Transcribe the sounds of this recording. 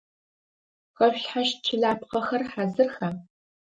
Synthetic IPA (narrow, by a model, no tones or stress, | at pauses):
ʁɐɕɬħaʃt͡ʃʰɪɮaːpqɐxɐrħaːzɨrxa